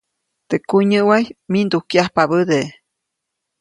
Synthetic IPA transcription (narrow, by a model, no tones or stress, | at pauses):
t̪ekuɲəʔwajmind̪ukjahpabəd̪e